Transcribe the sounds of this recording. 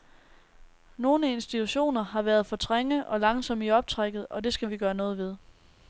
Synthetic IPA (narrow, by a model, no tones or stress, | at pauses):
no̝ːnəe̝nsd̥it͡sʰuɕo̝̰ːnɐɦɑ̈ʋæɐð̞ˠfɒ̽t͡sʰʁeŋəʔɒ̽lɑ̈ŋsɒ̽m̰iɒ̽b̥̚t͡sʰʁaɡ̥ð̩ˠɒ̽de̝sɡ̥æʋiɡ̥ɶːɐnɔ̽ːð̞̩ˠʋe̝ð̞ˠ